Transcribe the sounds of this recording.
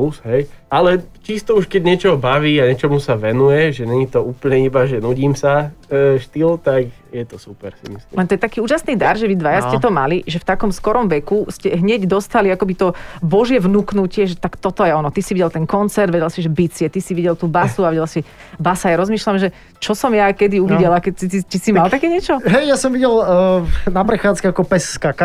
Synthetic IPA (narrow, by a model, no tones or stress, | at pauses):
usɦɛjalɛt͡ʃist̪ɔuʃkɛɟɲɛt͡ʃɔɦɔbaʋiːaɲɛt͡ʃɔmusaʋɛnujɛʒɛɲɛɲit̪ɔuːpl̩ɲɛibaʒɛnuɟiːmsaʃt̪ilt̪ak | jɛt̪ɔsupɛɾsḭmislḭlɛnt̪ɔjɛt̪akiːuːʒasniːd̪aɾʒɛʋid̪ʋajascɛt̪ɔmaliʒɛft̪akɔmskɔɾɔmʋɛkuscɛɦɲɛɟd̪ɔst̪aliakɔbit̪ɔbɔʒjɛʋnuknucɪɛʒɛt̪akt̪ɔt̪ɔjɛɔnɔt̪isiʋiɟɛlt̪ɛnkɔnt͡sɛɾd̪ʋɛɟɛlsiʒɛbit͡sɪɛt̪isiʋiɟɛlt̪uːbasuaʋɛɟɛlasi | basajaɾɔzmiːʃlamʒɛ | t͡ʃɔsɔmjakɛd̪iuʋiɟɛlakɛcsisit͡ʃisimalˠt̪akɛːɲɛt͡ʃɔɦɛjjasɔmʋiɟɛl | napɾɛxaːt͡skɛakɔpɛsːkaka